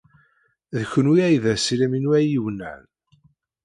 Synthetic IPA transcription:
ðəçənwiæjðæsilæminwæjiwnæ̰n

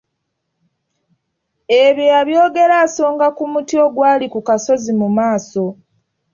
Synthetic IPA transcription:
eβjojaβjo̞ːɡe̞ɾaːso̞ːŋɡakumutio̞ɡwaːlikukaso̞zimumaːso̞

